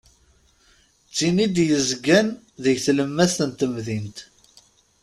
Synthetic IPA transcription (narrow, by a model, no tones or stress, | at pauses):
t͡sːinid̪jəzɡæn | ðəʝθləmːæsənt̪əmðint̪